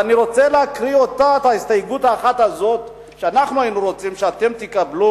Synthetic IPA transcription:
aniʁo̞t͡seleakʁio̞t̪aet̪aist̪ajɡut̪aːχat̪hazo̞t̪ | ʃeanaχnuainuʁo̞t͡simʃeat̪e̞mt̪ikablu

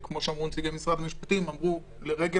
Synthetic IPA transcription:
kmo̞ʃeamʁunt͡siɡemisʁad̪amiʃpat̪imamʁu | leʁeɡe

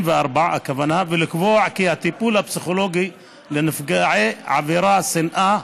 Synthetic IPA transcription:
bɪʔɑɾˤbaʕaʔa̰kavanhabɪlɪkboːʕkihat̪ipuːlabsixoloːɡi | lɪnɪfɡaʕeʕabiɾasɪnʔa

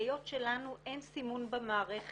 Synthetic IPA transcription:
jo̞tʃelanuʔensimunbamaːʁeχ

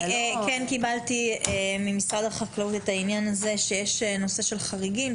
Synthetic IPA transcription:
kɛnkibaltiemimisʁad̪aχaklautetainjanaze̞ʃejeʃeno̞se̞ʃe̞lχaʁiɡim

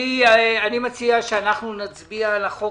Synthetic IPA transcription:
ianimat͡siaʃeanaχnunat͡sbialaχo

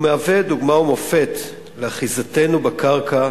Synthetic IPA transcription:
meaveduɡmaumo̞fe̞t̪ | leaχizate̞nubekaʁka

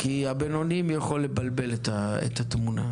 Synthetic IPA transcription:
kiabeno̞nimjaχolːebalbe̞let̪aḛt̪at̪muna̰

